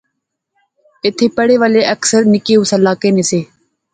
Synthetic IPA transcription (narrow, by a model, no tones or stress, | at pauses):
ɪt̪ʰːeːpəɽeːʋaːleːʔəksəɾnɪkeːuːsəlaːkeːneːseː